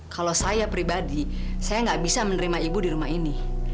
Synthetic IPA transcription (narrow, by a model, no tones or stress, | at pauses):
kʰalosajapɾibadi | sajaŋɡaʔbisamənəɾimaibudiɾumaɦini